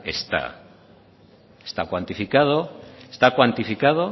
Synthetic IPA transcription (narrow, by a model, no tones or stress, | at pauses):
ḛst̪a̰ | est̪akwant̪ifikað̞oest̪akwant̪ifikað̞o